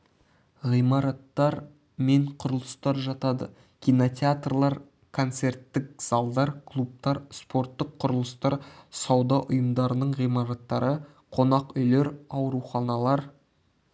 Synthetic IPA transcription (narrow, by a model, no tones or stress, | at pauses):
ʁijmɑɾɑt̪ːɑɾ | me̞ɴqʰʊɾəlˠəst̪ɑɾʒɑt̪ɑd̪ə̰ | kʲʰijnot̪ʲeat̪rlˠɑɾ | kʰo̞nt̪se̞ɾt̪ːɪk̚z̥ɑlˠd̪ɑɾkʰlˠup̚t̪ɑɾspo̞ɾt̪ːəqʰːʊɾəlˠəst̪ɑɾsɑwd̪ɑʔʊjəmd̪ɑɾənəɴʁijmɑɾɑt̪ːɑɾə | qʰo̞nɑqʏjleɾɑwɾuχɑnɑlˠɑɾ